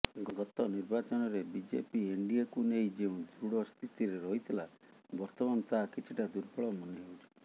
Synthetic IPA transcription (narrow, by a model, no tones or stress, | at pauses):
ɡɡɔt̪ɔniɾbat͡ʃɔnɔɾebid͡ʒḛpieɳɖiakunejd͡ʒeũd̪ɾuɽɔst̪ʰit̪iɾeɾɔɦit̪ʰila | bɔɾt̪ɔmanɔt̪aɦakit͡ʃʰiʈad̪uɾpɔɭɔmɔneɦowt͡ʃʰi̥